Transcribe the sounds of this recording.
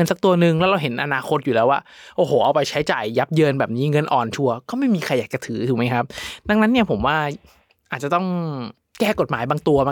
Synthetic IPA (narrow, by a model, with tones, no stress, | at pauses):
nsa˨˩k̚t̪u˧ɐnɯ˧ŋlɛ˦˥wɾa˧wɦe˨˩˦nʔa˧naː˧xʰo˦˥t̪̚juː˨˩lɛː˦˥waː˥˩ʔoː˧˩hoː˨˩˦ʔa˧wpa˧jt͡ɕʰa˦˥jt͡ɕaː˨˩jːa˦˥p̚jɤː˧nbɛː˨˩p̚niː˦˥ŋɤ˧nʔɔː˨˩nt͡ɕʰu˧ɐkɔː˥˩ma˥˩jmiː˧kʰa˧jːaː˨˩k̚t͡ɕa˧t̪ʰɯː˩˦t̪ʰuː˨˩˦ma˦˥jkʰa˦˥p̚da˧ŋna˦˥nːi˥˩ɐpʰo˩˦mwaː˥˩ | ʔaː˨˩t̪̚t͡ɕa˨˩t̪ɔ˥˩ŋ | kɛː˥˩ko˨˩t̪̚maː˩˦jbaː˧ŋt̪u˧ɐma˧